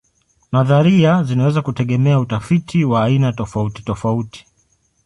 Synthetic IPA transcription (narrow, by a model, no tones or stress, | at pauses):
maðaɾiazinawɛzakutɛɠɛmɛautafitʰiwaːinatɔfauti̥tɔfauti̥